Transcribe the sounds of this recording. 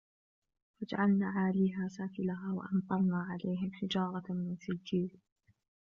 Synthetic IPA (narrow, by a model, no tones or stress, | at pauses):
fad͡ʒaʕalnaːʕaːliːɦaːsaːkɪlaɦaːwa̰ʔɑnt̪ɑlnaːʕalajɦɪmħɪd͡ʒɑːɾˤɑmɪnsɪd͡ʒiːl